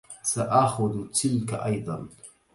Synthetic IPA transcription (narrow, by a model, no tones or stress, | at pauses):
saʔaxʊðt̪ʰɪlkaʔɑjd̪ˤɑn